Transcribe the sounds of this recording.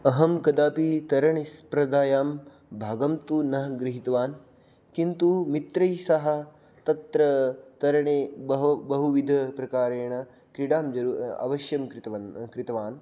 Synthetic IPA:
ɐɦɐmkɐd̪aːpit̪ɐɾɐɳispɾɐd̪aːjaːm | bʱaːɡɐmt̪unɐɦɐɡɾiɦit̪ɐʋaːn | kint̪umit̪ɾɐjsɐɦɐ̆ | t̪ɐt̪ɾɐt̪ɐɾɐɳeːbɐbɐɦuʋid̪ʱɐpɾɐkaːɾeːɳɐ | kɾiɖaːmd͡ʒɐɾuːɐ̰ʋɐʃjɐmkɾit̪ɐkɾit̪ɐʋaːn

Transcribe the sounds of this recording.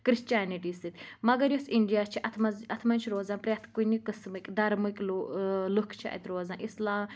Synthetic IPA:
kɾist͡ʃaːniʈiːsɨt̪ʲmɐɡɐɾjosiɳɖijaːt͡ʃʰiʔɐt̪ʰmɐzɐt̪ʰmɐnʲt͡ʃʰiɾoːzaːnpɾʲet̪ʰkunikɨsmɨkʲʼd̪ɐɾmɨkʲʼlolukʰt͡ʃʰiɐ̰t̪ɾoːzãːnʔislaːm

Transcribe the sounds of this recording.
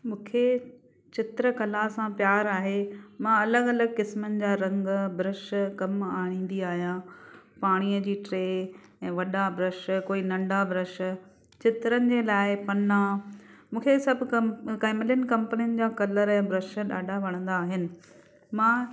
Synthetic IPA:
mũːkʰe | t͡ɕɪt̪ɾəkɐlasãpjaːɾaːɦemãɐləɡɐləɡkɪsmənɪ̆d͡ʑaːɾɐ̃ŋɡbɾɪʃkɐmaːɽ̃ĩːn̆d̪iaːɦijãː | paːɽ̃iːəd͡ʑiːʈɾeː | ɛ̃ːʋɐɗabʱɾɪʃkoːinɐ̃ɳɖabʱɾɪʃ | t͡ɕɪt̪ɾənɪ̆d͡ʑeːlaːɪpɐna | mũːkʰesɐbʱʊkɐkaːɪmɪlən̆kɐ̃mpəniənɪ̆d͡ʑaːkɐləɾɛ̃ːbɾɐʃəɗa̰ːɗaʋɐɽ̃ə̃nd̪aːɦɪnɪ̆ | mãː

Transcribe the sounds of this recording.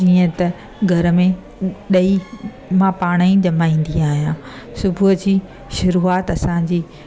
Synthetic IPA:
d͡ʑiːə̃t̪ɐ | ɡʱɐɾə̆mẽ | ɗɐi | mãpaːɽ̃aĩd͡ʑɐmaːĩːn̆d̪iaːɦijãː | sʊbʱʊd͡ʑiː | ʃʊɾuːaːt̪ɐsãd͡ʑiː

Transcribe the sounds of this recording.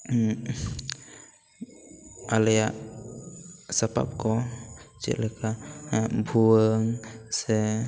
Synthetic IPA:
alɛjaʔ | sapa̰p̚kɔt͡ʃɛ̰ʔlɛka | bʱuəŋsɛ

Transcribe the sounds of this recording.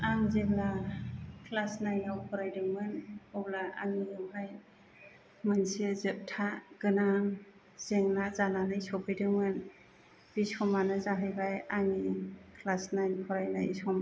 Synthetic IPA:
aŋzebla | kʰlasnajnawpʰɔɾajdɯŋmɯnɔblaaŋijɯmɦaj | mɯnsizep̚tʰaɡ̥ɯnaŋ | z̥eŋnazananɯjsɔpʰɯjdɯŋmɯn | bisɔmanɯzaɦɯjbajaŋikʰlasnajnpʰɔɾajna̰isɔma

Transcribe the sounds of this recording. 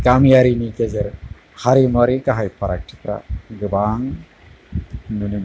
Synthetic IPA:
kamijaɾinikezeɾ | haɾimɔɾikaɦajpaɾak̚ʈʰi̥t̪ɾa̰ɡɯbaŋ | nunim

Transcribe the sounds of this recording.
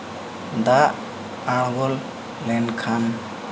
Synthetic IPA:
d̪aʔ | aɽbɔlː | ɛnkʰan

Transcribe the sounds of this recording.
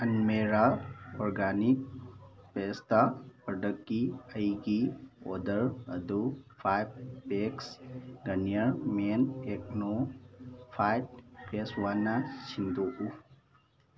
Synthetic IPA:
ənmeːɾaoːɾɡaːnik̚ | peːst̪apəɖəkːiəjɡio̰ːd̪əɾə̰d̪ufʰajb̚peksɡɐnjəɾmeːnekno | fʰajʈ̚peːsʋanasind̪oʔu

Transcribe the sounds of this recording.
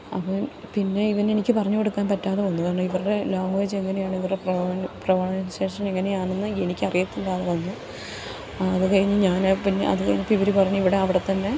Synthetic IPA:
ɐ̰pːɐmpinːe̞iʋɐne̞nikʲːɨpɐrɐɲːukoɽukːaːnpɐtːaːðeonːukaːɳːɐiʋɐruɽe̞loːŋʋeːd͡ʑe̞ŋːɐne̞jaːɳɨiʋɐrɽeprɐʋnprɐʋɐɳɐɳɐnɕe̞ːʂɐme̞ŋːɐne̞jaːɳunːɨenikʲːɨɐrijɐt̪ːilːaːðɨpɐrɐɲːu | ɐːðɨkɐɻiɲːɨɲaːnpinːeɐ̰ðɨkɐɻiɲːɨpːiʋiɾipɐrɐɲːuiʋiɽe̞ɐʋiɽe̞t̪ːɐnːe̞

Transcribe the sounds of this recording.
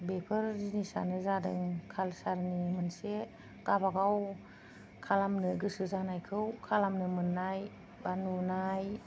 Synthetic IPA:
bepʰɯɾzinisa̰nɯzadɯŋkʰalsaɾnimɯnse | kabaɡaw | kʰalamnɯɡɯsɯzanajkʰɯwkʰalamnɯmɯnːaj | banunaj

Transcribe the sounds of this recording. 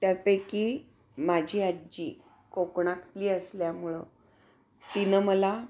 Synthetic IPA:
t̪jaɾpəjki | mad͡ʑʱiːad͡ʑi | kokɳat̪ʰliːəsljamuɭə̰ | t̪inəməla

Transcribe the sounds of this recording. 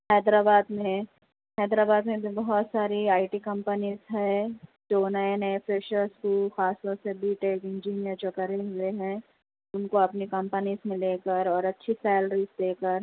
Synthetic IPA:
hɛːd̪ɾaːbaːd̪mẽ | hɛːd̪ɾaːbaːd̪mẽbʱibɐɦɔt̪saːɾiaːɪʈikɐ̃mpəniːzɦɛːd͡ʒoːnaɪnẽfɪʃəɾskuːlxaːst̪ɔɾsebʱiʈeːkɪ̃nd͡ʒiːnijəɾt͡ʃɔkəɾeɦueɦɛ̃ː | ʊnkoɐpnikɐ̃mpəniːzmeɪ̃leːkəɾɔːɾɐtːʃʰisɛːlɾiːzd̪eːkəɾ

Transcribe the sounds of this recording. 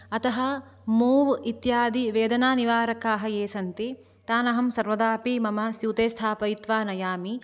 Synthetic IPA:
ɐt̪ɐɦɐ̆ | muːʋit̪jaːd̪iʋeːd̪ɐnaːniʋaːɾɐkaːɦɐjeːsɐnt̪i | t̪aːnɐɦɐmsɐɾʋɐd̪aːpimɐmɐsjuːt̪eːst̪ʰaːpɐjit̪ʋaːnɐjaːmi

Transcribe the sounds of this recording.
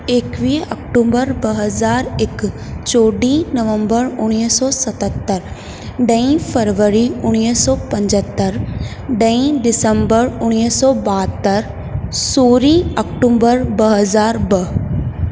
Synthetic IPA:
eːkʋiːɐkʈuːbəɾbɐɦəzaːɾɪk | t͡ʃoːɖĩnɐʋə̃mbəɾʊɽ̃isɔːsɐt̪ət̪ːəɾ | ɖə̃ĩfʰəɾʋəɾiʊɽ̃isɔːpɐ̃ɲd͡ʒət̪ːəɾ | ɖə̃ĩɖɪsəmbəɾʊɽ̃isɔːbaːt̪ːəɾ | soːɾĩɐkʈuːbəɾbɐɦəzaːɾbɐɦ

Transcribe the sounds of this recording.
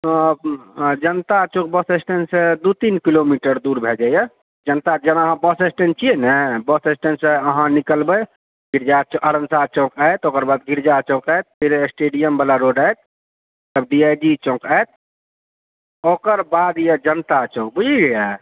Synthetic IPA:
d͡ʒənt̪at͡ʃõk̚bəsesʈensed̪ut̪inkilomiʈəɾd̪uɾbʱed͡ʒajə | d͡ʒənt̪ad͡ʒənaəɦãbəsesʈent͡ʃʰienɛbəsesʈenseəɦãnikəlbə | ɡiɾd͡ʒat͡ʃəɾənsat͡ʃõkajt̪okəɾbad̪ɡiɾd͡ʒat͡ʃõkəjt̪̚pʰiɾesʈeɖijəmbəlaɾoɖajt̪̚ː | əb̚ɖiajd͡ʒit͡ʃõkajt̪̚ | okəɾbad̪ijed͡ʒənt̪at͡ʃõk̚bud͡ʒiɡja

